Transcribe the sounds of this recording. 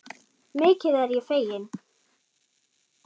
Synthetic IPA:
meːjcɪðɛɾjɛfejɪn

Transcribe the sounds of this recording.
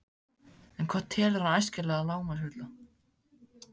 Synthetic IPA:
ɛnkʰvḁt̪ʰːɛːlɪɾhanajscɪɾlɛːɣalaːwmaɾ̥hʏt̪la

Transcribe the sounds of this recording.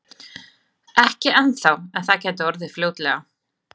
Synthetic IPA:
ɛhcɪɛnθawɛnθacɛːt̪ɔɾðɪfljoːwt̪lɛɣa

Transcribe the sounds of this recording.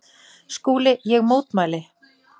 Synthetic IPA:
skuːlɪjɛɣmoːwt̪maːlɪ

